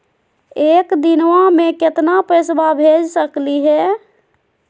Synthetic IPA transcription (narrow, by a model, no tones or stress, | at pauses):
ekd̪inwãmekɪt̪napesbabʱed͡ʒsəkliɦɛ